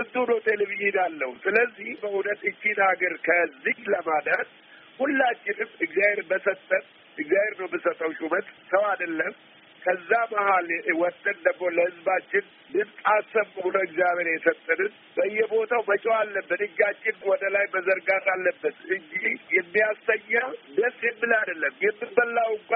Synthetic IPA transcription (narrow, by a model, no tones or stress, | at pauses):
bɨd̪unəwt̪ʰeleβijid̪alːəhusɨləzːihbəʔunət̪ʼɨt͡ʃːinaɡəɾkʰəzːihləmad̪ət̪ | hulːat͡ʃːɪnɨmɨɡzaheɾbəsət̪ʼːət̪ | ɨɡzaheɾnəwmɨsət̪ʼːəwt͡ʃʼumət̪səwad̪əlːəm | kʰəzːamahalwɔt̪ʼːənd̪əɡmo̞ləhɨzbat͡ʃːɪn | lɨβsʼasəβɨhunəwɪɡzjaβeɾjɛsət̪ʼːənɨn | bəɨjːɛbo̞t̪ʰawmət͡ʃʼɛwalːəbːɨnɨd͡ʒːat͡ʃːɪnwɔd̪əlajbəzəɾɡat̪alːəbːət̪ɨɲd͡ʒihjɛmːijasəɲːad̪əsjɛmːɨlad̪əlːəmjɛmːɨbəlːawŋkʷʼa